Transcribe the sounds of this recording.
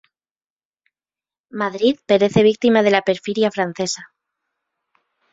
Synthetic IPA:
maðɾiðpe̞ɾe̞θe̞β̞ik̚t̪imað̞e̞lape̞ɾfiɾjafɾan̟θe̞sa

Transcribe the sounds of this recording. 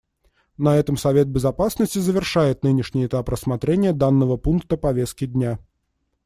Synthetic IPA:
nɐɛt̪əmsɐvʲe̞t̪̚bʲɪzɐpasnəsʲtʲɪzəvʲɪrʂajɪt̪̚nɨnʲɪʂnʲɪjɪt̪aprəsmɐt̪ɾʲenʲɪjəd̪anːəvəpunk̚t̪əpɐvʲest̪̚kʲɪd̪ʲnʲa

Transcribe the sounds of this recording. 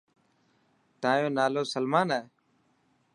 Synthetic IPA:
t̪ãːjõːnaːloːsəlmaːnaː

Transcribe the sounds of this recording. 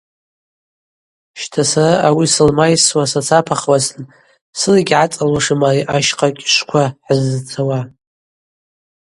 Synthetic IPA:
ʃtʰasaraʔawisɨlmajswasat͡sʰapʰaχwasɨn | sɨliɡʲʕat͡sʼalaʂɨmaiʔaʃqʼakʲʼʃʷkʷʰaħəzːɨt͡sʰawa

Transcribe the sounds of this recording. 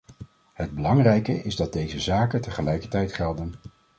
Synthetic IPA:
ɦəd̚bəlɑŋrɛjkəʔɪzdɑd̚dejzəzaːkətəχəlɛjkəɹtɛjtχɛlˠdən

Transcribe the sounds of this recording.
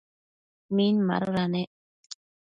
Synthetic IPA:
minma̰ɾoɾane

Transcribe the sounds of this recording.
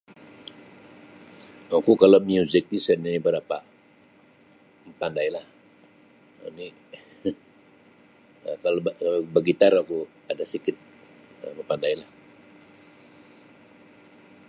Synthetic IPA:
akukalomiuzɪk̚tisɛninibəɾapa | mpandailah | ə̰ni | əkalbəɡit̪aɾaku | adasikɪt̪̚əmpandailah

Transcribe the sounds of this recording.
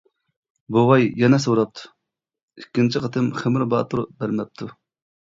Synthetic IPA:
bowɑjjɛnɛsoɾɑp̚t̪ʰu̥ | ikʲːint͡ʃʰiqʰət̪ʰɨmχɪmɾbɑːt̪ʰuɾbæɾmɛp̚t̪ʰu

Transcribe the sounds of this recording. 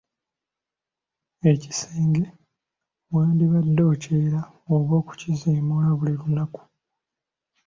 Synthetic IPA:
e̞ci̥seːŋɡe̞ | βwaːndiβadːoːceɾa | oβo̞ːku̥ciziːmulaβulilunaku̥

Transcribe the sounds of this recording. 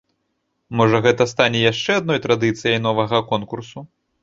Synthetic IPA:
mɔʐɐɣɛt̪ɐst̪anʲɛjaʂt͡ʂɛad̪nɔjt̪ɾad̪ɨt̪sɨjɐjnɔvɐɣɐkɔnkursu

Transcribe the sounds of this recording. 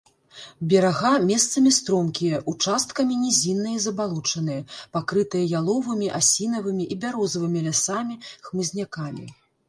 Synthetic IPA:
bʲɛɾaɣamʲɛst̪sɐmʲist̪ɾɔmkʲijɐʔut͡ʂast̪̚kɐmʲinʲɛzʲinːɐjɐzɐbalˠut͡ʂɐnɨjɐpakɾɨt̪ɨjɐjalˠɔvɨmʲiʔasʲinɐvɨmʲiʔibʲaɾɔzɐvɨmʲilʲasamʲixmɨzʲnʲakamʲḭ

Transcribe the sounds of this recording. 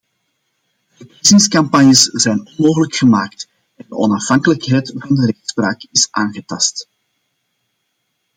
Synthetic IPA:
dəpizɪŋskɑmpɑnjəsz̥ɛjnɔnmoːɣələkxəmaːkt | ɛndəʔɔnɑfɦɑŋkələkɦɛjtvɑndəɾɛxtspraːkɪsʔaːnɣətɑst

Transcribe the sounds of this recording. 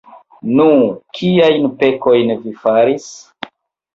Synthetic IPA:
nukʰiajnpe̞ko̞jnvifaɾis

